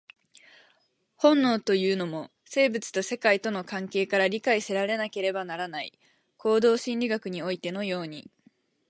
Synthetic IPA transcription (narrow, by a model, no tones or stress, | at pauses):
hõ̞nːo̞ːt̪o̞jɯ̟ːno̞mo̞ | se̞ːbɯt͡sɨ̥t̪o̞se̞kait̪o̞no̞kãŋke̞ːkaɾaɾʲikaiseɾaɾe̞nake̞ɾe̞banaɾanaḭ | ko̞ːd̪o̞ːɕĩnʲɾʲiɡakɯ̟ɲ̟io̞it̪e̞no̞jo̞ːɲ̟i